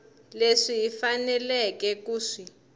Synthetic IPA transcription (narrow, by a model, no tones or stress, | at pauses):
leʂijifanɛlɛkɛk̬uːʂi